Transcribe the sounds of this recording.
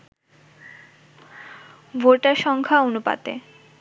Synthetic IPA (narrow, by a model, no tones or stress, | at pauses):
bʱoʈaɾʃɔŋkʰaonupa̰t̪ḛ